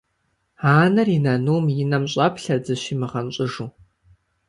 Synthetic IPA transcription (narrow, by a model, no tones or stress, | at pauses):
aːnɐrinɐnuːmjɪnɐmɕʼɐpɬɐd͡zɨɕimɨʁɐnɕʼʊʐuː